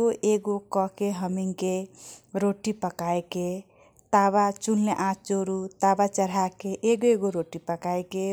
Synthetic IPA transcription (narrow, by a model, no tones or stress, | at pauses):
oʔeɡokɔkeɦəmiŋkeɾoʈipəkaeke | t̪aβat͡ʃunleʔat͡ʃoɾut̪abat͡ʃəɾɦakeʔeɡoeɡoɾoʈipəkaeke